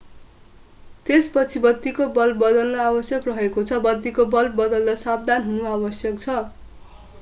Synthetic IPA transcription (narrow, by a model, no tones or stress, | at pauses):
t̪espʌt͡sʰibʌd̪ːikobʌlbʌd̪ʌlːʌabʌsjʌkrʌɦekot͡sʰʌbʌd̪ːikobʌlbʌd̪ʌlːʌsab̚d̪ʱanɦunuabʌsjʌk̚t͡sʰʌ